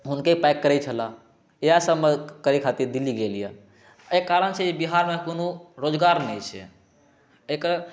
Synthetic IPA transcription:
ɦunkeipɛkːəɾɛt͡ʃʰəla | easəbmekəɾikʰat̪iɾd̪iliɡelija̰ | ekːaɾənt͡ʃʰɛibiɦaɾmekonoɾod͡ʒɡaɾnɛjt͡ʃʰɛ̰ | ekəɾ

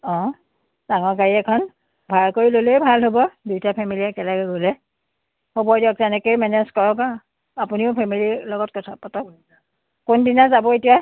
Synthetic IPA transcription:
ɔ̃ | daŋɔɹkaɹiɛkʰɔn | bʱaɹkoɹilolebʱalɦobɔdujtapʰɛmiliɛkɛlaɡɛɡolɛ | hobɔdɔk̚zɛnɛkojmɛnɛzkɔɹɔka | apuniʊpʰɛmililɔɡɔt̚kɔtʰapːɔtɔ | kʊndinazabɔetija

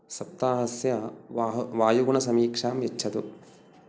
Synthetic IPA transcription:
sɐp̚t̪aːɦɐsjɐ | ʋaːjuɡɳɐsɐmiːkʂaːmjɐt͡ʃːʰɐt̪ṵ

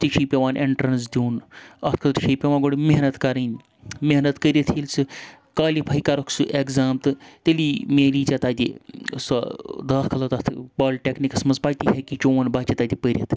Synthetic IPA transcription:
t̪iʃʰipʲeʋãːnʔeɳʈɾɐns̬d̪ʲuːnɐ̰t̪̚ʰkʰɐt̪ɾʃʰiːpʲeʋaːɡoɽimeɦnɐt̪kɐɾɐnʲ | meɦnɐt̪kəɾʲɐt̪ʰilsɨ | kaːlipʰaikɐɾɐkʰsɨʔekzaːmt̪ɨt̪eliːmeːliːt͡ʃɐt̪ad̪ʲisɐd̪ɐːt̪ʰkʰɐlɐt̪ɐt̪ʰbaːlʲʈʲeknikɐsmɐnzpaːt̪iɦekit͡ʃoːʋɐnbaːt͡ʃit̪aːd̪ʲipəɾʲjɐt̪ʰ

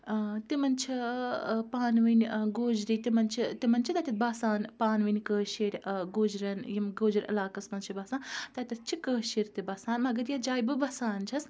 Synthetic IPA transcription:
t̪imɐnt͡ʃʰi | paːnʋinʲɡoːd͡ʒɾit̪imɐnt͡ʃʰit̪imɐnt͡ʃʰit̪ɐt̪ʲit̪̚baːsaːnpaːnʋinʲkəːʃiːɾʲɡoːd͡ʒɾɐnjimɡoːd͡ʒɾʲɐ̰laːkɐsmɐnt͡ʃʰibɐːsaːnt̪ɐt̪ʲɐt̪̚t͡ʃʰikəːʃiːɾʲt̪ibɐːsaːnmɐɡɐɾjɐd͡ʒaːjbɨbɐsaːnt͡ʃʰɐs

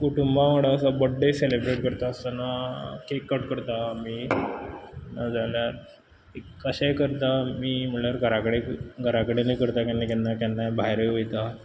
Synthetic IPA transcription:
kuʈumbaʋaɽaəsabəɖːeselebɾeʈkəɾt̪aəst̪anakekːəʈkəɾt̪ami | nad͡zaljaɾ | e | əɕajkəɾt̪amiːm̤əɳɭəɾɡʱəɾakəɽeɡʱəɾakəɽenekəɾt̪akanːekanːakanːabʱaɦjɾeʋejt̪a

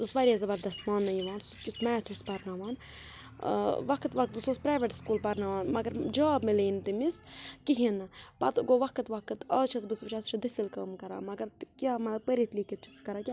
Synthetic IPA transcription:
t̪usʋɐɾʲazɐbɐɾd̪ɐsmaːnːɐjiʋaːnt̪skʲut̪ʰmɛːt̪ʰuspɐɾnaːʋaːn | ʋɐkʰt̪ʋɐk̚t̪̚bɨsoːspɾaːʋeʈskuːlpɐɾnaːʋaːnmɐɡɐɾd͡ʒaːbmiliːnt̪imiskiɦinɨpɐ̰t̪ɡoːʋɐkʰɨt̪ʋɐkɨt̪ɐːt͡ʃʰɐsbɨsʋɐt͡ʃʰɐst͡ʃʰid̪isilkɐːmkɐɾa̰ːmɐɡɐɾt̪kʲaːmɐt̪ɐpəɾit̪liːkʲit̪̚t͡ʃʰu̥skɐɾaːkʲa

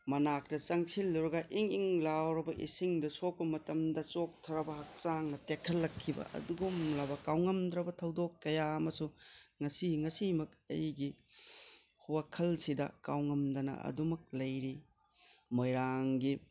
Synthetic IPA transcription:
mɐnak̚tɐt͡ʃɐŋsilːuɾɐɡɐʔiŋiŋlawɾɐbɐʔḭsiŋdɐsok̚pɐmɐtɐmdɐt͡ʃok̚tʰɐɾɐbɐɦɐk̚t͡ʃaŋnɐtekʰːɐlːɐkʰːibɐ̰ʔɐ̰duɡumlabɐkawŋɐmdɾɐbɐtʰɐwdokːɐjaɐmɐsuŋɐsiŋɐsimɐk̚ɐ̰jɡi | huwakʰɐlsidɐ̰kawŋɐmdɐnɐ̰ɐ̰dumɐk̚lɐjɾi | mojɾaŋɡi

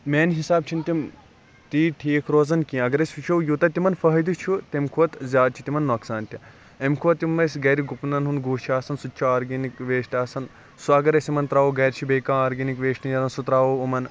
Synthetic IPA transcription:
meːnɦisaːb̚t͡ʃʰint̪ʲim | t̪iːʈʰiːkʰɾoːzɐnkĩɐɡɐɾɐsʲut͡ʃʰɐwjut̪ɐt̪imɐnfɐɦɐd̪it͡ʃʰut̪emkʰuʋɐt̪zʲjaːd̪̚t͡ʃʰi̥t̪imɐnːoːksaːnt̪ʲi | emkʰuʋɐt̪ːjumːɐsʲɡɐɾiɡupnɐnɦunɡuːt͡ʃʰaːsɐnsutːt͡ʃʰɐaːɾɡinikʋeːʃʈʲaːsɐn | suɐɡɐɾɐsimɐnt̪ɾaːʋoɡɐːɾʲt͡ʃʰibeːkãːaːɾɡinikʋeːʃʈijɐɾɐnsut̪ɾaːʋoumɐn

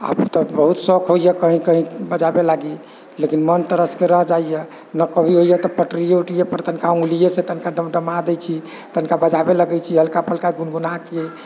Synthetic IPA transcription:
a̰bt̪ɔbəɦut̪sɔkʰɦoijɛkəɦĩkəɦĩbəd͡ʒabelaɡi | lekinmənt̪əɾəskeɾəɦd͡ʒaijɛ | nəkəbʱiɦojɛt̪ɔpəʈɾijeuʈijepəɾt̪ənkaũlijeset̪ənkaɖəmɖəmad̪ɛt͡ʃʰi | t̪ənkabəd͡ʒabeləɡɛt͡ʃʰiɦəlkapəlkaɡunɡunake

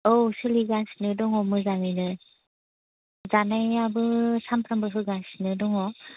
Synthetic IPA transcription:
osɯliɡasnɯdɔŋɔmɯzaŋinɯ | zanajabɯsampʰɾambɯɦɯɡasnɯdɔŋɔ

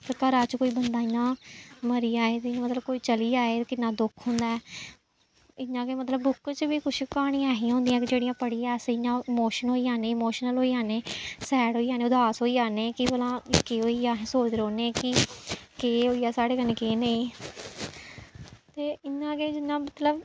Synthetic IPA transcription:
t̪əkəɾaːt͡ʃkoːiːbənd̪aːɪnːãːməɾiːaːeːt̪ɪãːmət̪ləb̚koːiːt͡ʃəliːaːeːkɪnːãːd̪ʊkʰɦʊ̃nd̪aːɛː | ɪɲãːkeːmət̪ləbːʊkt͡ʃbiːkʊt͡ʃʰkaːɽ̃ĩːɛːɦĩːɦõnd̪iːãːkɪd͡ʒeːɽĩjãːpəɽiːɛːsɪɲãːɪmoːʃənɦoːiːjãːnẽːmoːʃnəlɦoːiːãːneːsɛːɽɦoːiːãːnẽːʊd̪aːsɦoːiːaːneːkɪpəlãːkeːɦoːiːãːsoːt͡ʃɾoːneːkɪkeːɦoːiːɛːsaːɽeːkənẽːkeːneĩ | t̪eːɪnːãːkeːd͡ʒɪnːãːmət̪ləb

